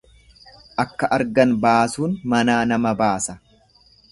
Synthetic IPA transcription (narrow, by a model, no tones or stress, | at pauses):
ʔɐkːɐʔɐɾɡɐnbaːsuːnmɐnaːnɐmɐbaːsɐ